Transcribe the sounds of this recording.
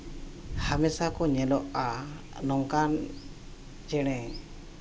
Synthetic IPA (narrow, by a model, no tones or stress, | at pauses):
hamɛsakɔɲɛlɔʔa | nɔŋkan | d͡ʒɛɽ̃ɛ